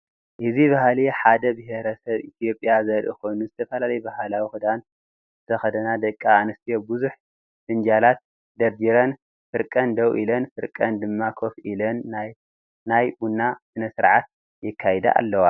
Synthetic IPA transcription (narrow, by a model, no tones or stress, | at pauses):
ʔɨziβɐhaliħad̪ɐbɨɦeɾɐsɐβit̪ʰijo̞pʼːjazɐɾʔḭkʰo̞jnuzɨt̪ʰɐfɐlalɐjɛbɐɦalawixɨd̪an | zɨt̪ʰɐxɐd̪ɐnad̪ɐkʼːaːnɐst̪ʰijobɨzuħ | sɨnd͡ʒalat̪̚ | d̪ɐɾd̪iɾɐn | fɨɾkʼɐnd̪ɐwʔḭlɐnfɨɾkʼɐnd̪ɨmːakʰo̞fʔilɐnːj | najbunːasɨnɐsɨɾʕat̪̚ | jɨkʰːajɛd̪a̰ʔa̰lːɐwa